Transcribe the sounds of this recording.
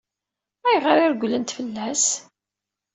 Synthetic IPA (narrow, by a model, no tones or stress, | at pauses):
æjʁəɾiɾɡʷlənt̪fəlːæs